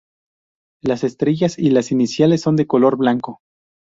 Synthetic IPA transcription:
lase̞st̪ɾe̞ʝasilasinisjalesːond̪e̞ko̞lo̞ɾβlaŋko̞

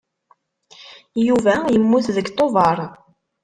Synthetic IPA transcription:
juvæjəmːuθðəɡt̪ˤːovɑɾˤ

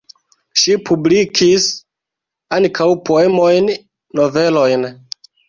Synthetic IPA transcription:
ʃipʰublikʰis | ankʰawpʰoe̞mojnː | ove̞lo̞jn

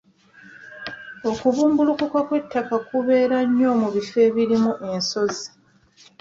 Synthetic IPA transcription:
o̞kuβuːmbulukukwakwe̞tʰːakakuβe̞ːɾaɲːo̞ːmuβife̞ːβiɾimuʔe̞nso̞zi̥

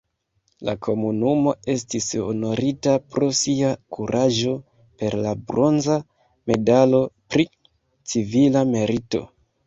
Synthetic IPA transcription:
la̰kʰo̞munumo̞e̞stisono̞ɾitapɾo̞siakʰuɾʔaʒo̞ | pe̞ɾlabɾo̞nza | me̞dalo̞pɾi | t͡sivilame̞ɾito̞̰

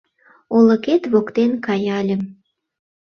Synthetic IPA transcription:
olə̆ket̪βokt̪enkɑjɑlʲə̆m

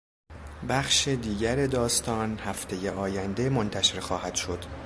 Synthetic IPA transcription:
bæxʃed̪iːɟæɾe̞d̪ɒːst̪ɒːnhæft̪ʰe̞jeʔɒːjænd̪e̞mo̞nt̪ʰæʃe̞ɾxɒːhæd̪̥ʃo̞d̪̥

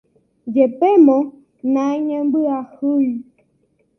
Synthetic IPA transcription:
d͡ʒepɛmɔ | naɲɛmɡ͡bɨahu

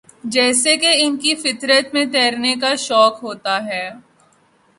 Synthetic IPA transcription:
d͡ʒɛːsekeɪnkifɪt̪ɾət̪mẽt̪ɛːɾnekaʃɔːkɦoːt̪aɦɛː

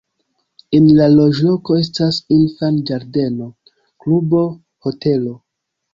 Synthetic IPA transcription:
enlalo̞d͡ʒlo̞ko̞e̞stasinfand͡ʒaɾde̞no̞ | klubo̞ | ho̞te̞lo̞

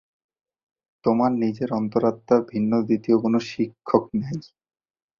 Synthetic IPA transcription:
t̪omaɾnid͡ʑeɾɔnt̪oɾat̪ːabʱinːod̪it̪iokonoʃikʰːoknej

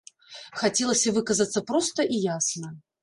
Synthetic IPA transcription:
xatʲelˠəsʲɨvɨkəzət̪sːəpɾost̪əʔijasnə

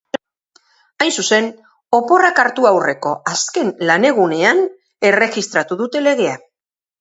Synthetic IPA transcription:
ajnsuse̞n | o̞po̞rakaɾt̪uawre̞ko̞ʔaske̞nlane̞ɣ̞une̞an | e̞re̞ɣist̪ɾat̪uðut̪e̞le̞ɣe̞a

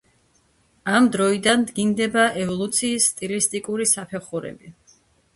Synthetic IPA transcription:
amd̪ɾɔid̪and̪ɡind̪ɛbaʔɛvɔlˠut̪sʰiːsːt̪ʼilist̪ʼikʼuɾisapʰɛχuɾɛ̰bi

